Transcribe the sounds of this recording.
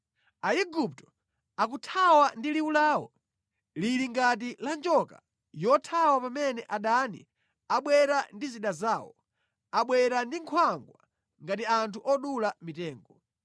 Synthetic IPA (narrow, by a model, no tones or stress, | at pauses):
aiɡup̚tɔ̥ | ak̬utʰawandiliulaːwɔ | liɾiŋɡat̬iland͡ʒɔka | jɔtʰawapamɛnɛʔaɗanḭ | aɓwɛɾandiziɗazaːwɔ̰ | aɓwɛɾandiŋkʰwaŋɡwa | ŋɡat̬iantʰuʔɔɗulamitɛːŋɡɔ